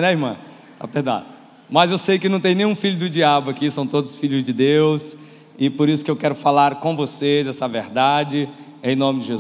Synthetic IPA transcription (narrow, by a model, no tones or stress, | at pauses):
nɛihmɐ̰̃ | t̪a̰pehd̪a̰t̪ | mɐzewsejkɪnɐ̃w̃t̪ẽj̃nẽj̃ũfiʎʊd̪ʊd͡ʒiabʊakisɐ̃w̃t̪od̪ʊsfiʎʊzd͡ʒɪd̪ews | ɪpoɾisʊ̥kɪewkɛɾʊfalaɾkõvosezɛsɐveɾd̪ad͡ʒɪ | ẽj̃nõmɪd͡ʒɪʒez